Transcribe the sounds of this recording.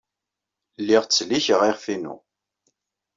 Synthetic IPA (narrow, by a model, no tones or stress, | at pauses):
lːiʁt͡sːliçəʁiʁfinṵ